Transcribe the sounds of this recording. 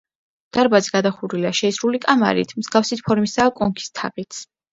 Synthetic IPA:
d̪̥aɾbaziɡad̪aχuɾilaʃɛisɾulikʼama̰ɾḭt̪ʰmz̥ɡafsit̪̚ʰpʰɔɾmisaːkʼɔŋkʰi̥st̪ʰa̰qʼit̪sʰ

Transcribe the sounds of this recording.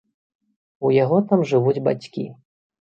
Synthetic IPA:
ujaɣɔt̪amʐɨvud͡zʲba̰t͡sʲkʲḭ

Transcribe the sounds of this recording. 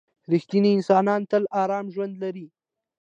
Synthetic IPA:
ɾixt̪iniɪnsɑnɑnt̪əlɑɾɑmʒwand̪laɾi

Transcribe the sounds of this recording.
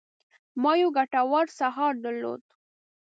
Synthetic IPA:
mɑjuɡaʈawaɾsaɦɑɾd̪əɾlo̰d̪̚

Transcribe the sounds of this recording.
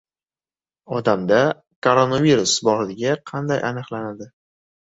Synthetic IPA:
ɒd̪amd̪a | kʰoɾonaviɾʊsbɒɾd̪ɪɡʲaqʰɑnd̪ajʔanɨqlanad̪ɪ

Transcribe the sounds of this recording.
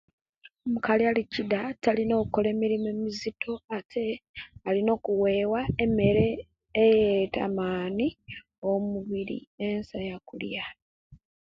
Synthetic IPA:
omukalialicidatalino̞ːkuko̞le̞ːmiɾime̞mizitʰo̞atʰe̞alino̞ːkuwe̞ːwaeme̞ɾe̞ː | jeta̰maːni | omuβiɾḭensajakulja

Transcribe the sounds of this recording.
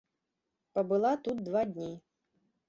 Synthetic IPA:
pɐbɨlˠat̪ut̪̚d̪vad̪ʲnʲi

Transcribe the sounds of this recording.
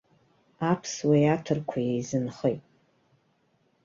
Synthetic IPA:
apʰswejatʰɨrkʷʰajejzɨnχejtʼ

